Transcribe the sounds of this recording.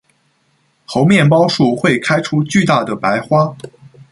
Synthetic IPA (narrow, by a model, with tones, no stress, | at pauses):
xo˧˥ʊmjɛ˥˩np̬ɑ˥ʊʂu˥˩xwe˥˩ɪkʰa˥ɪʈ͡ʂʰu˥t͡ɕy˥˧t̪a˥˩d̪ə˩pa˧˥ɪxwa˥